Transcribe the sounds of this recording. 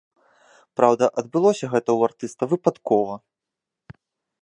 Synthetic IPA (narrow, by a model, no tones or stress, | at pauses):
pɾawd̪ɐʔɐd̪̚bɨlˠɔsʲɐɣɛt̪ɐwart̪ɨst̪ɐvɨpat̪kɔvɐ